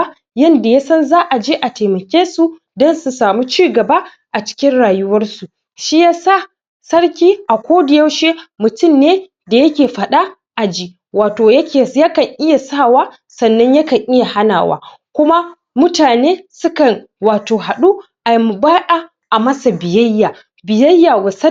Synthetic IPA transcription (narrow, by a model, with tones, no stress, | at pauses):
jɐ˦nda˨ja˦sɐ˦nzaː˦ʔa˨d͡ʒeː˦ʔa˨teː˨mɐ˨kʲeː˦su˦ | dɔ˦nsu˨saː˨mu˦t͡ʃiː˦˨ɡɐ˨ba˦ | ʔa˨t͡ʃɪ̥˦kʲɪ˦nɽaː˨jʊ˦wɐ˦rsu˨ | ʃi˦jaː˦sa˦˨ | sɐ˦ɽkʲiː˦ʔa˨kʷoː˦dɪ˨jɐ˦wʃe˦mʊ˨tʊ˦˨mːeː˦ | da˨jɐ˦kʲeː˨ɸɐ˨ɗa˦ | ʔa˨d͡ʒiː˦ | waː˨toː˨jɐ˦kʲeː˨ja˦kɐ˨ŋʔɪ˦ja˨saː˦˨waː˦ | sɐ˨nːɐ˦ɲjɐ˦kɐ˨ŋʔɪ˦ja˨ha˦na̰ː˨wa̰ː˦ | kʷʊ˦ma˦ | mʊ˦taː˨neː˦sʊ˦kɐ˨ŋ | waː˨toː˨ɦa˨ɗu˦ | ʔa˨m˨baː˦ʔa˨ | ʔa˨mɐ˦sa˨bɪ˨jɐ˦jːaː˨ | bɪ˨jɐ˦jːa˨wɐ˨sɐ˦